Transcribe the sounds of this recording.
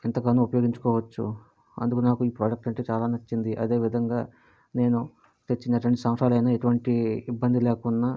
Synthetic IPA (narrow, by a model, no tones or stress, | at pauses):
int̪ɐkaːnuupɐjo̞ːɡiɲt͡ʃu̥kɔːʋɐt͡ʃːṵ | ɐ̰nd̪ukunaːkuiːpɾaːɖɐk̚ʈɐɳʈe̞ːt͡ʃaːlaːnɐt͡ʃːind̪iʔɐ̰d̪e̞ːʋid̪ʱɐŋɡaː | ne̞ːnu | t̪et͡ʃːinɐʈ̬uʋɐɳʈisɐmʂaːlɐjnaːeʈuʋɐɳʈiːbːɐnd̪ileːkuɳːa